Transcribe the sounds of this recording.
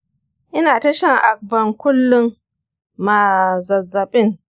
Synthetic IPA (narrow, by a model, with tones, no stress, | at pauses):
ʔɪ˦naː˨tɐ˦ʃɐ˦ŋʔa˨k̚bɐ˨ŋkʷʊ˦lːʊ˦ŋ | ma˨zɐ˨zːɐ˨ɓɪ˦˨ŋ